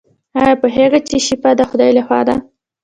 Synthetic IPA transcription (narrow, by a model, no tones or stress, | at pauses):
ɑjɑpəɦeɣat͡ʃeʃipad̪əxʊd̪ɑjlaxwɑ̰d̪a